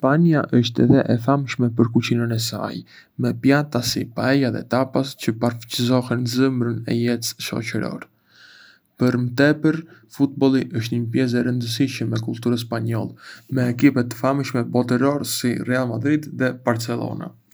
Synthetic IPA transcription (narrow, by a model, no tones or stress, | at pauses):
spaɲaʔəʃt̪ɛðɛʔɛfamʃmɛpəɾkut͡ɕinənɛsa̰j | mɛpjat̪asipaɛjaðɛ̰t̪apast͡ɕəpaɾft͡ɕəzɔɦɛnzəmɾənɛ̰jɛt̪sʃɔ̰t͡ɕəɾɔ̰ɾ | pəɾmt̪ɛpəɾfut̪̚bɔlˠiʔəʃ̬t̪ɲəpjɛs̬ɛɾənd̪əs̬iʃəmːɛkulˠt̪uɾəspaɲɔ̰lˠɛmɛːk̬ipɛt̪famʃmɛbɔt̪əɾɔɾsirɛalˠmad̪ɾid̪ðɛb̥aɾt͡sɛlˠɔ̰na̰